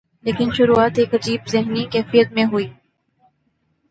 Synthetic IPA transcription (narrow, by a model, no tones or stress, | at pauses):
leːkɪnʃʊɾuaːt̪eːkɐd͡ʒiːbzɪɦnikɛːfijət̪̚mẽɦuiː